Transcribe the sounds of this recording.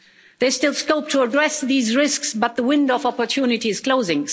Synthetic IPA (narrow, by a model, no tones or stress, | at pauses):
ðestɪlˠskoʊp̚tʰəədɹɛsðiːzɹɪsksbʌt̪̚ðəwɪ̃ndəvɑpə˞tʰunɪtiz̥kʰl̥oʊzɪ̃ŋ